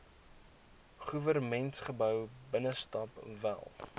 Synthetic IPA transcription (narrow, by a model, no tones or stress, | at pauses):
χuvərmɛntχəbœwbənəstɑpvæ̰lˠ